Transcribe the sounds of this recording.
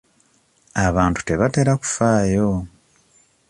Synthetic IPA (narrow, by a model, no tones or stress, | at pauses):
aβaːntu̥te̞βate̞ɾaku̥faːjo